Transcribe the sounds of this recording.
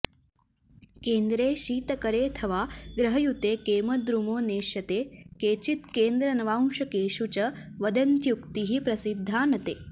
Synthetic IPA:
keːnd̪ɾeːʃiːt̪ɐkɐɾeːt̪ʰɐʋaːɡɾɐɦɐjut̪eːkeːmɐd̪ɾumoːneːʃɐt̪eːkeːt͡ʃit̪keːnd̪ɾɐnɐʋaːwʂɐkeːʃut͡ʃɐʋɐd̪ɐnt̪jukt̪iɦipɾɐsid̪ʱːaːnɐt̪eː

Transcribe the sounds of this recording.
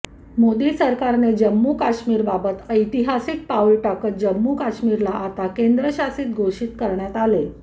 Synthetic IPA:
mod̪iːsəɾkaɾned͡ʑəmːuːkaɕmiːɾbabət̪əjt̪iɦasik̚paulʈakət̪̚d͡ʑəmːukaɕmiːɾlaʔat̪akend̪ɾəɕasiːt̪̚ɡʱoʂit̪kəɾɳjat̪ale

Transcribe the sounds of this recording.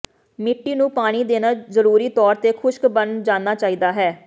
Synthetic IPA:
mɪʈːiːnũːpaːɽ̃iːd̪eːnaːzəɾuːɾiːt̪ɔːɾt̪eːkʰʊʃkbənd͡ʒãːnːaːt͡ʃaːiːd̪aːɦɛː

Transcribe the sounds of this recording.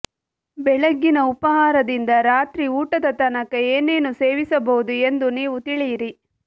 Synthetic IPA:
bɛɭɐɡːinɐupɐɦaːɾɐd̪ind̪ɐɾaːt̪ɾiuːʈɐd̪ɐt̪ɐnɐkɐeːneːnuse̞ːʋisɐbɐɦud̪ue̞nd̪uniːʋut̪iɭijiɾi

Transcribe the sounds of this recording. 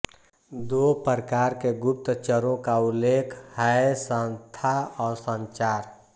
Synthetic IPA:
d̪opəɾkaːɾkeɡʊp̚t̪t͡ʃəɾõkaʊlːeːkʰhaesə̃nt̪ʰaɔːɾsə̃nt͡ʃaːɾ

